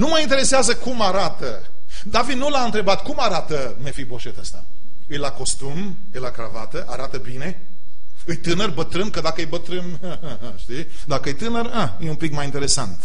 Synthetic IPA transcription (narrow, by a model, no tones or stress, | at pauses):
numajint̪eɾe̞seazəkumaɾat̪ə | d̪avid̪nulaɨnt̪ɾe̞bat̪kumaɾat̪ə | mefibo̞ʃet̪əst̪a̰ | ɨjlako̞st̪um | ɨjlakɾavat̪əʔaɾat̪əbine̞ | ɨjt̪ɨnərbət̪ɾɨnkəd̪akəejbət̪ɾɨn | əəɦəʃt̪i | d̪akəɨjt̪ɨnəɾa | jeumpikmajint̪e̞ɾe̞sant̪